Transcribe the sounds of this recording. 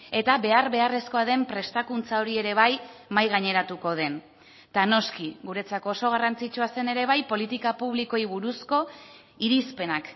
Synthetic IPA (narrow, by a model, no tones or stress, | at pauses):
e̞t̪aβe̞arβe̞are̞sko̞aðe̞mpɾe̞st̪akunt͡sao̞ɾie̞ɾe̞βajmajɣaɲe̞ɾat̪uko̞ð̞e̞n | d̪̥ano̞skiɣuɾe̞t͡sakooso̞ɣ̞arant͡sit͡ʃuase̞ne̞ɾe̞β̞ajpo̞lit̪ikapuβ̞likojβuɾusko̞ | iɾispe̞nak